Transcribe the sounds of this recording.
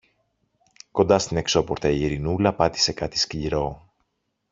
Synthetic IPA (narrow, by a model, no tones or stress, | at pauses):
ko̞nd̪ɐst̪ine̞kso̞po̞ɾt̪ɐiiɾinulɐpɐt̪i̥se̞kɐt̪i̥scliɾo̞